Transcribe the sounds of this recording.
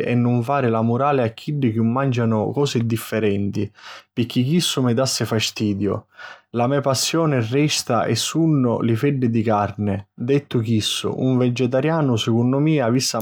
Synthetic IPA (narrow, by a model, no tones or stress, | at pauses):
ʔɛ̰nːʊɱfaːɾɪlamʊɾaːlɪakʰːiɖːɪkumːand͡ʒanʊkɔːsɪd̪ifːɛɾɛnt̪ipɪkːikːisːʊmɪd̪asːɪfast̪iːd̪jʊ̰lamɛpasːjɔːnɪrːɛst̪aʔɛ̰sːunːʊ̰lɪfɛɖːɪd̪ikarnɪd̪ɛt̪ːʊk̟isːʊ̰ʔuɱvɛd͡ʒɛt̪̬aɾjaːnʊsɪkunːʊmiːavisːa